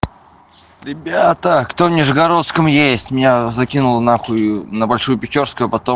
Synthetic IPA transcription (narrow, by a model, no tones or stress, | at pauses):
ɾʲɪbʲat̪əkt̪o̞vnʲɪʐɨɡɐɾo̞t̪skəmjesʲtʲmʲɪnʲazɐkʲinʊlˠnaxʊnəbɐlʲʂujʊpʲɪt͡ɕorskʊjʊpɐt̪o